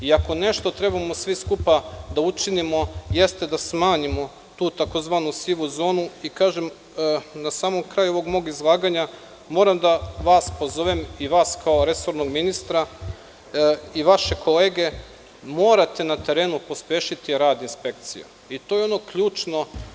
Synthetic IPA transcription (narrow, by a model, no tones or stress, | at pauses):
iako̞ne̞ʃt̪o̞t̪ɾe̞bamo̞sʋiskupad̪aut͡ʃinimo̞je̞st̪e̞d̪asmaːɲimo̞ | t̪uːt̪ako̞zʋaːnusiʋuzo̞ːnuikaːʒem | nasaːmo̞mkɾaːjuo̞ʋo̞ɡmo̞ɡizlˠaːɡaɲa | mo̞ːɾamd̪aʋaːspo̞zo̞ʋemiʋaːskʰao̞ɾe̞so̞ɾnoɡminist̪ɾa | iʋaʃe̞kʰo̞le̞ːɡe̞ | mo̞ːɾat̪e̞nat̪e̞ɾe̞ːnupo̞spjeːʃit̪iɾaːd̪inspe̞k̚t̪sḭjṵ | it̪ojeo̞no̞kʎuːt͡ʃno̞